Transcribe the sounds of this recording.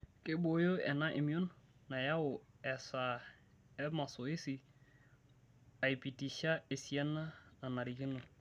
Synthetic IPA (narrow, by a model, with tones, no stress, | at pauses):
kɪ˦bo˨jo˦ɛ˨na˦ʔɪ˨mi˦o˦nna˨ja˦ʊ˨ɛ˨sa˨ | ɛ˦ma˨so˨ɪ˦si˨ | a˨i˨pi˨ti˨ʃa˦e˨si˨ɛ˦na˦na˨na˨ɾi˨ki˦no˨